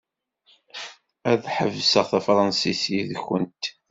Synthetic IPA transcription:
æðħəvsəʁθæfɾˤɑnsisiðçənt̪

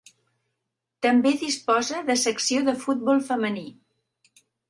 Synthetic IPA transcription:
t̪əmbeðispɔzəðəsəksioðəfut̪̚bɔlˠfəməni

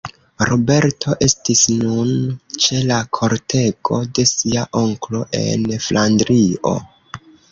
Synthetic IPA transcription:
ɾobe̞ɾtʰo̞ʔe̞stisnunt͡ʃe̞lakʰo̞ɾtʰe̞ɡo̞de̞siaʔo̞ŋklo̞ʔe̞̰nflʔandɾio̞̰

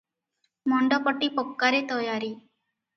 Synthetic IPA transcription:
mɔɳɖɔpəʈːipɔkːaɾet̪əjaːɾiː

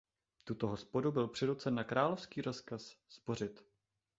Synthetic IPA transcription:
t̪ut̪o̞ɦo̞spo̞dubɪlpr̝̥ɪdot͡sɛnːakɾaːlo̞fskiːɾo̞skasːpo̞r̝ɪt̪

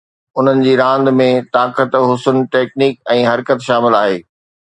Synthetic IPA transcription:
ʊn̤ənɪ̆d͡ʑiːɾãːnd̪mẽt̪aːkət̪ɦʊsʊnʈeːkniːk̚ɛ̃ːɦɐɾkət̪ʃaːmɪlaːɦeː

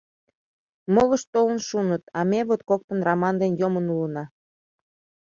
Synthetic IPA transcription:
moləʃt̪olənʃunət̪ɑmeβot̪̚kok̚t̪ə̆nrɑmɑnd̪enjomənulənɑ

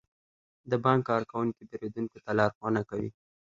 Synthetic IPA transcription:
d̪əbɑŋkːɑɾkawuŋkib̪eɾed̪unkot̪alɑɾxwɑnakawḭ

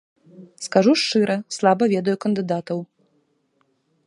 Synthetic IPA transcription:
skaʐuʂt͡ʂɨɾʔɐslˠabɐvʲɛd̪ɐjukɐnd̪ɨd̪at̪ɐw

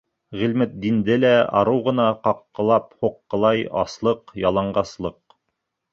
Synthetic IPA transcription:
ʁilmɘt̪̚d̪ind̪ɘlæɑ̰ɾɤwʁɤ̆nɑqɑqːɤ̆lˠɑp̚huqːɤ̆lˠɑjɑ̰slˠɤqjɑlˠɑɴɢɑslˠɤq̚

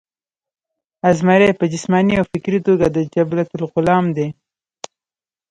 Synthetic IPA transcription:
azmaɾepəd͡ʒɪsmɑniawfɪkɾit̪oɡad̪əd͡ʒablat̪ʊlqʊlɑmd̪e

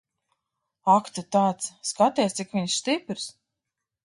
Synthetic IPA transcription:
akt̪ut̪aːt̪sskat̪iɛst̪sikvʲiɲsst̪ipɾs

